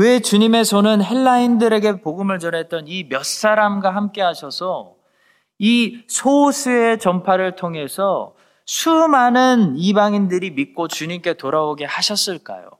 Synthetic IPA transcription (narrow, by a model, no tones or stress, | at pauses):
we̞t͡ɕuɲime̞sʰʌnɯnɦe̞ɭːaindɯɾe̞ɡe̞poɡɯmɯɭt͡ɕʌnɦe̞t̚t͈ʌnimjʌs͈aɾamɡwaɦamk͈e̞ɦaɕʰʌsʰʌ | isʰosʰɯe̞t͡ɕʌmpʰaɾɯɭtʰoŋɦe̞sʰʌ | sʰumanɯnibaŋindɯɾimik̚k͈ot͡ɕuɲimk͈e̞toɾaoɡehaɕʰʌs͈ɯɭk͈a̰jo̰